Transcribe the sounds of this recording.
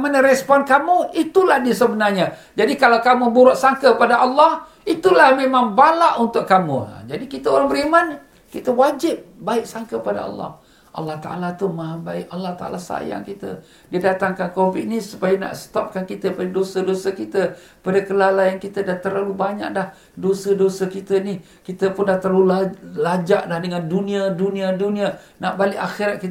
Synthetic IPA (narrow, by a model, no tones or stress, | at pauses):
manəɾɛspɔnkamuit̪ulahdiəsəbənarɲa | d͡ʒadikalawkamubuɾʊʔsaŋkəpadaʔɑlːɑh | it̪ulahmẽmaŋbalaʔunt̪ʊʔkːamṵ̃d͡ʒadikit̪aoɾaŋbəɾiman | kit̪əwad͡ʒɪp̚baɪk̚saŋkəpada̰ɑ̰lːɑ̰h | ʔɑ̰lːɑht̪aʔa̰lat̪umaɦabaɪkɑlːɑht̪aʔa̰lasa̰ja̰ŋkit̪ə̰ | diadat̪aŋkankofiʔnisupajana̰ʔsə̥t̪ɔp̚kankit̪əpadadosədosəkit̪ə | padakəlalaankit̪ədaht̪əɾlalubaɲa̰ʔ̚dah | dosədosəkit̪əni | kit̪əpʊndaht̪əralulalad͡ʒaʔlahdəŋandunĩaduniadunĩa | naʔbalɪʔaxiɾat̪̚kit